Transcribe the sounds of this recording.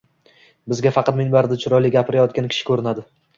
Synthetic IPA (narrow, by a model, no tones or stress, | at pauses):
bɪzɡʲafɑqʰɑt̪menbaɾd̪ɪt͡ʃʰʊɾɒjlɪɡʲapʰɪɾajɒt̪kʲankʲʰɪ̥ʃɪ̥kʰɵɾɪnad̪ɪ